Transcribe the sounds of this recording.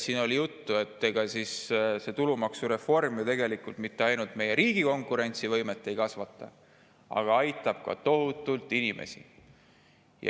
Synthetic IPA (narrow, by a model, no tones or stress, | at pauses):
siːno̞lijut̪ːue̞t̪ːeɡ̥ɑsisse̞t̪ulumɑksuɾe̞fo̞rmit̪e̞ɡe̞likːˑult̪mit̪ːeɑjnult̪me̞je̞ɾiːɡ̥iko̞ŋkˑuɾe̞nʲt̪sivɤ̞jme̞t̪ːˑe̞jkɑsvɑt̪ːˑɑ̰ | ɑ̰ɡ̥ɑɑjt̪ːˑɑb̥kɑ̰t̪o̞ɦut̪ːˑult̪ːˑinimʔḛsḭ | jɑ̰